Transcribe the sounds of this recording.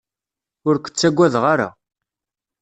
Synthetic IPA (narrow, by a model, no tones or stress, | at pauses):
ʊɾkʷə̥t͡sːæɡʷːæðʁaɾa̰